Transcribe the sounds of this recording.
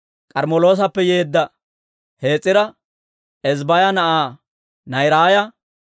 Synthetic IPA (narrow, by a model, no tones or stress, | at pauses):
kʼɐɾmɔlo̞ːs̬ɐpːɛjeːd̪ːɐ | he̞ːt͡sʼːɪɾɐ | ɛzbɐjɐnɐʔaː | nɐjɾaːjɐ